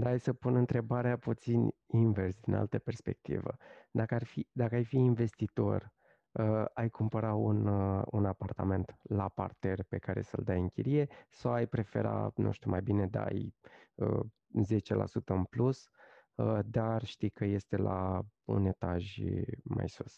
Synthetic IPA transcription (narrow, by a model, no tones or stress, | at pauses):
d̪aajsəpunɨnt̪ɾe̞baɾeaput̪sinʲinversd̪inʔa̰lt̪əpe̞rspe̞̰k̚t̪ḭvə̰d̪akəarfid̪akəajfiːnve̞st̪it̪o̞̰rʲ | əajkumpəɾaununapart̪ame̞nt̪lapa̰rt̪erpe̞kaɾe̞̰səld̪ajɨŋkʲḭɾije̞sawajpɾe̞fe̞̰ɾa̰nṵʃt̪umajbine̞d̪a̰jə | ze̞t͡ʃe̞lʔa̰sut̪əɨnplus | əd̪arʃt̪ijkəje̞st̪e̞laṵne̞t̪aʒma̰jsus